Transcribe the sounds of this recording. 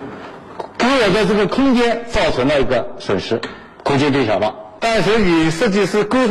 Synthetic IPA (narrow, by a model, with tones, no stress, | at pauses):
ke˧˥ɪwɔ˨˩t͡sa˥˧ɪʈ͡ʂɤ˥˩ɡə˩kʰʊ˥ŋt͡ɕjɛ˥nt͡sɑ˥˩ʊʈ͡ʂʰwə˧˥nlə˧i˧˥ɡə˧ʂwə˨˩nʂɻ̩˧˥ | kʰʊ˥ŋt͡ɕɛ˥nt̪we˥˩ɕjɑ˨˩ʊlə̰˧˦t̪a˥˧nʂɻ̩˧˥y˨˩ʂ̩˥˧t͡ɕi˥˧ʂɹ̩˥˩kɤ˥